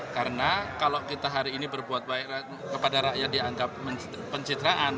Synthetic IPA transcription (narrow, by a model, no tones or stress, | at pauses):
kaɾənakalokit̪aɦaɾiːnibərbuat̪̚baɛɾa | kəpadaɾaʔjadiaŋɡap̚məː | əɲt͡ʃid̪ɾaʔan